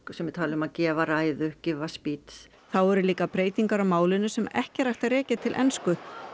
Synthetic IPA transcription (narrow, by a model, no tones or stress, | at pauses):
sɛmvɪɾ̥t̪ʰaːlɪʏmaðcɛːvaɾaːjðʏcɪvaspit̪s | θawɛɾʏliːkapɾeːjt̪iŋkaɾawmaːwlɪnʏsɛmɛ̰hcɪɾajht̪aɾɛːcɪt̪ʰɪlʔɛ̰nskʏ